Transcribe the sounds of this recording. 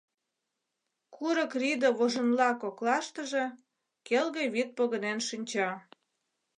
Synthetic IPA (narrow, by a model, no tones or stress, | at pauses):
kʰuɾəkrid̪oβoʒə̆nlɑkoklɑʃt̪ə̆ʒĕ | kelɣĕβit̪̚poɣə̆nenʃinʲt͡ɕɑ